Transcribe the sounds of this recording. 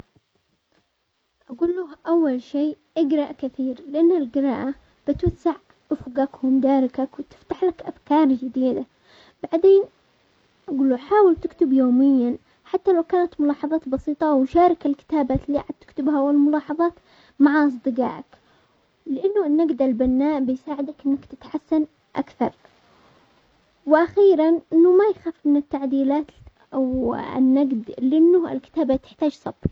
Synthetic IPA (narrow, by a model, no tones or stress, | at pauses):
ʔaɡuːlːuhʔawːalʃeːʔaɡɾˤɑʔkɪθiːɾlɪʔanːalɡɪɾˤɑːʔa | b̥ɪt̪wasːaʕ | ʔɪfɡakhʊmd̪aːɾˤɪkakwɪt̪ɪ̥ft̪aħlakʔafkɑːɾˤd͡ʒɪd̪iːd̪a | b̥aʕd̪eːn | ʔaɡuːlːuħaːwɪlt̪ɪkt̪ɪbjoːmɪjːan | ħat̪ːalawkaːnat̪mʊlɑːħɑðˤɑːt̪bɑsˤiːt̪ˤɑwʃaːɾˤɑkɪlkɪ̥t̪aːbaːt̪liːʔaʕad̪̚t̪ɪ̥kt̪ɪbhawɪlmʊlɑːħɑðˤɑːt̪ | maʕaʔɑs̬ˤd̪ɨɡɑ̰ːʕa̰k | lɪʔanːʊnːaɡd̪albanːaːʔbɪjsaːʕɪd̪akʔɪnːakt̪ɪt̪ħasːan | ʔa̰kθɑ̰ɾˤ | wʔaxiːɾanʔɪnːʊmajxaːfmɪnɪt̪ːaʕd̪iːlaːt̪ | awɪ̰nːaɡd̪lɪʔɪnːʊɪlkɪ̥t̪aːbat̪ɪ̥ħt̪aːd͡ʒsˤɑb